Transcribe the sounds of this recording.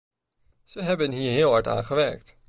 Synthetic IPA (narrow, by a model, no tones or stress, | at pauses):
z̥əɦɛbənɦiːɹɦɪːlˠɦɑɹta̰ːnχəʋɛɹk̚t